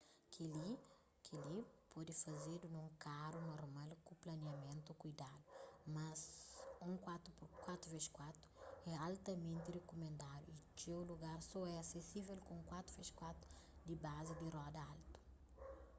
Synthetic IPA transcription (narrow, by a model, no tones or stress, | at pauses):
kʰili | kʰelipɔd̪ifɐzed̪unũŋkaɾunoɾmalkuplɐneɐmẽnt̪ukujd̪ad̪umɐzũŋkwat̪upkwat̪ɾuvɛʃkwat̪u̥ɛalt̪ɐmẽnt̪irekomẽnd̪ad̪uit͡ʃewluɡaɾsɔɛasesivelkõũkwat̪ɾuvɛʃkwat̪ɾu̥ | d̪ibazid̪irɔd̪ɐalt̪u̥